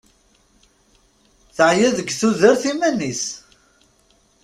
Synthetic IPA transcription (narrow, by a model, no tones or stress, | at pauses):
θəʕjæðəɡːθuðəɾθimænis